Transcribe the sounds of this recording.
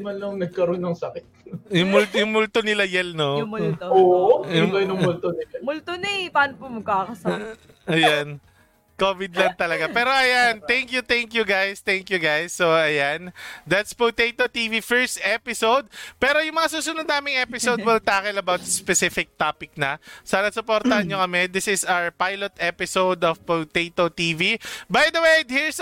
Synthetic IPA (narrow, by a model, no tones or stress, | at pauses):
mɐnɐŋnɐɡ̚kɐɾonːɐŋsɐkɪt̪̚jʊŋmʊlt̪jʊŋmʊlt̪onɪlajɛlnooʔjʊbɐnɐŋmʊlt̪onɐmʊlt̪onɐjpaːnopomɐɡ̚kaːkɐsɐkɪt̪ | ʔɐjan | kovɪd̪lɐŋt̪ɐlɐɡapɛːɾo̞ʔɐjant̪ɛŋkjut̪ɛŋkjuɡajst̪ɛŋkjuɡajsːoɐjand̪at̪spowt̪ejt̪ot̪iːvifɛɹst̪ʔɛpɪsowd̪̚pɛːɾojʊŋmɐŋasuːsʊnʊd̪naːmɪŋʔɛpɪsowd̪̚wɛlt̪aːkɛlɐbawt̪̚spɛsɪfɪk̚t̪aːpɪk̚nɐsɐnɐsʊpoɾt̪ɐhɐnɲokɐmɛd̪ɪsɪsawpajlot̪ʔɛpɪsowd̪ɔvpowt̪et̪ot̪iːvibɐjd̪ɐwejd̪hiɹs